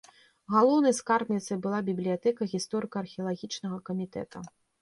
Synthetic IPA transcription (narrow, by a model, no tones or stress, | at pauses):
ɣalˠɔwnɐjskarbnʲit̪sɐjbɨlˠabʲiblʲijat̪ɛkɐɣʲist̪ɔɾɨkɐːrxʲijɐlˠaɣʲit͡ʂnɐɣɐkɐmʲit̪ɛ̰t̪ɐ